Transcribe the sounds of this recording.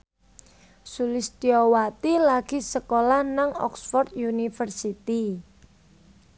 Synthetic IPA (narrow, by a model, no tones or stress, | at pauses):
sulɪst̪iɔwat̪ilaɡ̥i̤səkolahnaŋɔ̰ksfɔrt̪junifərsit̪i